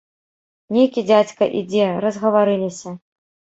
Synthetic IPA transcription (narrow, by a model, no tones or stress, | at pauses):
nʲejkʲid͡zʲat͡sʲkɐʔid͡zʲɛɾɐzɣɐvaɾɨlʲisʲɐ